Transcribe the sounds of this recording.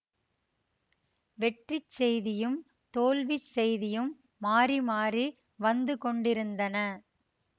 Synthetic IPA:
ʋɛʈrit͡ʃːɛjðɪjɯm | t̪oːlʋit͡ʃsɛjðɪjɯmː | aːrimaːri | ʋɐnd̪ɯkɔɳɖɪɾɯnd̪ɐnɐ

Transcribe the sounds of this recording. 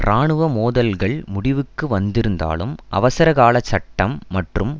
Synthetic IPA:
ɾaːɳɯʋɐmoːðɐlɣɐɭmʊɽɪʋɯkːɯʋɐnd̪ɪɾɯnd̪a̰ːlɯ̰mʔɐ̰ʋɐsɐɾɐɣaːɭɐt͡ʃːɐʈːɐmːɐʈrɯm

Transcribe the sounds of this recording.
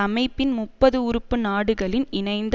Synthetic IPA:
ɐmɐɪpːɪnmʊpːɐðɯʊɾɯpːɯnaːɽɯɣɐɭɪnɪnɐɪnd̪

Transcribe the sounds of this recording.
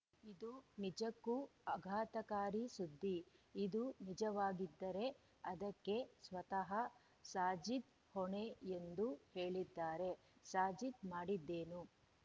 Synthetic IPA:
id̪unid͡ʒɐkːuɐɡʱaːt̪ɐkaːɾisud̪ʱːiːd̪unid͡ʒɐʋaːɡid̪ːɐɾe̞ | ɐd̪ɐkːe̞sʋɐt̪ɐɦɐ | saːd͡ʒit̪ | hɔɳeend̪uhe̞ːɭid̪ːaːɾe̞ | saːd͡ʒid̪maːɽid̪ːe̞ːnu

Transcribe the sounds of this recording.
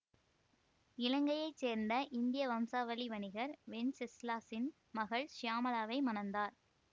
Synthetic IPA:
ɪlɐŋɡɐjɐɪt͡ʃseːɾnd̪ɐʔɪnd̪ɪjɐʋɐmsaːʋɐliʋɐnɪɣɐɾʋɛnsɪslaːsɪn | mɐɣɐɭʃɪjaːmɐlaːʋɐɪmɐnɐnd̪aːɾ

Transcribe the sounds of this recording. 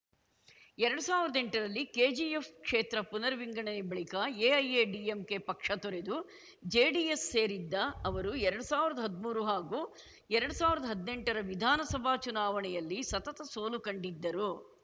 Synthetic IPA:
ɛɾɐɽusaːʋiɾɐd̪eɳʈɐɾɐlːikeːd͡ʒiefkʂeːt̪ɾɐpunɐɾʋiŋɡɐɳɐnebɐɭikɐeːɐjeːɖiːemkepɐkʂɐt̪ɔɾed̪u | d͡ʒeːɖiesːe̞ːɾid̪ːɐɐʋɐɾuɛɾɐɽusaːʋiɾɐd̪ɐɦɐd̪muːɾuɦaːɡuː | ɛɾɐɽusaːʋiɾɐd̪ɐɦɐd̪ne̞ɳʈɐɾɐʋid̪ʱaːnɐsɐbʱaːt͡ʃunaːʋɐɳɛjɐlːisɐt̪ɐt̪ɐsoːlukɐɳɖid̪ːɐɾu

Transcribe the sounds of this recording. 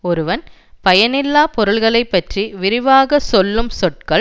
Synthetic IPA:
ɔɾɯʋɐn | pɐjɐnɪlːaːpɔɾɯɭɣɐɭɐɪpːɐʈriʋɪɾɪʋaːɣɐsɔlːɯmsɔʈ̚kɐɭ

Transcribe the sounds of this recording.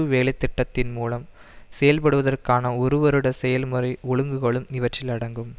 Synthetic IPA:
ɯʋeːlɐɪt̪ːɪʈːɐt̪ːɪnmuːlɐm | sɛjɐlpɐɽɯʋɐðɐrkaːnɐɔɾɯʋɐɾɯɽɐsɛjɐlmɯɾɐɪɔɻɯŋɡɯɣɐɭɯmnɪʋɐʈt͡ʃːɪlɐɽɐŋɡɯm

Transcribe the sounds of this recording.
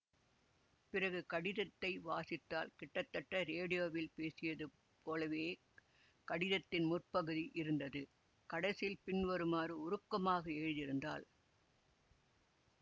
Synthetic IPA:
pɪrɐɣɯkɐɽɪðɐt̪ːɐɪʋaːsɪt̪ːaːlkɪʈːɐt̪ːɐʈːɐɾeːɽɪjoːʋɪlpeːsɪjɐðɯ | pʰoːlɐʋeː | kɐɽɪðɐt̪ːɪnmʊrpɐɣɯðiʔɪɾɯnd̪ɐðɯ | kɐɽɐsɪlpɪɳʋɐɾɯmaːɾɯʊɾɯkːɐmaːɣɐeːɻðɪɾɯnd̪a̰ːl

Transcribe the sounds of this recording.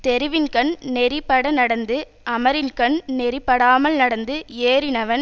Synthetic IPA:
t̪ɛɾɪʋɪnkɐɳnɛɾɪpːɐɽɐnɐɽɐnd̪ɯ | ʔɐmɐɾɪnkɐɳnɛɾɪpːɐɽaːmɐlnɐɽɐnd̪ɯeːɾɪnɐʋɐn

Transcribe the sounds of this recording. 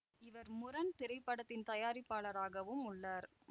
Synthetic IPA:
ɪʋɐɾmʊɾɐnt̪ɪɾɐɪpːɐɽɐt̪ːɪnt̪ɐjaːɾɪpːaːɭɐɾaːɣɐʋɯmʊɭːaːɾ

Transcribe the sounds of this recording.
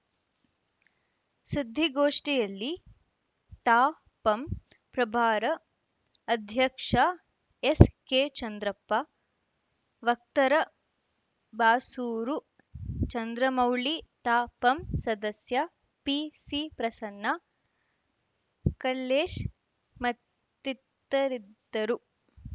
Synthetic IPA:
sid̪ʱːiɡoːʂʈijɐlːi | t̪aː | pɐmpɾɐbʱaːɾɐ | ɐd̪ʱjɐkʂa | eskeːt͡ʃɐnd̪ɾɐpːa | ʋɐk̚t̪ɐɾɐ | baːsuːɾu | t͡ʃɐnd̪ɾɐmɐwɭit̪aːpɐmsɐd̪ɐsjɐ | pisipɾɐsɐnːa | kɐlːeːʃ | mɐt̪ː | it̪ːɐɾid̪ɐɾu

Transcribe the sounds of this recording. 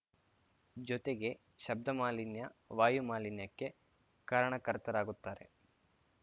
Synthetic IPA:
d͡ʒɔt̪e̞ɡe̞ | ʃɐb̚d̪ɐmaːlinjɐʋaːjumaːlinjɐkːe̞ | kaːɾɐɳɐkɐɾt̪ɐɾaːɡut̪ːaːɾe̞̰

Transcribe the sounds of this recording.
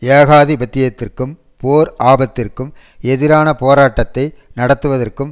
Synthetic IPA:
eːɣaːðibɐt̪ːɪjɐt̪ːɪrkɯm | poːɾʔaːbɐt̪ːɪrkɯm | ɛðɪɾaːnɐpoːɾaːʈːɐt̪ːɐɪnɐɽɐt̪ːɯʋɐðɐrkɯm

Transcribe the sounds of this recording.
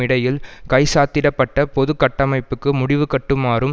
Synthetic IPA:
ɪɽɐjɪlkɐɪsaːt̪ːɪɽɐpːɐʈːɐpɔðɯkːɐʈːɐmɐɪpːɯkːɯmʊɽɪʋɯkɐʈːɯmaːɾɯm

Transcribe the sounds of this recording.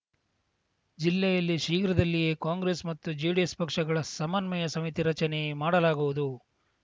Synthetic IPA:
d͡ʒilːɛjɐlːiʃiːkɾɐd̪ɐlːijeːkaːŋɡɾe̞ːsmɐt̪ːud͡ʒiːɽiespɐkʂɐɡɐɭɐsɐmɐnmɐjɐsɐmit̪iɾɐt͡ʃɐne̞maːɽɐlaːɡuʋud̪u

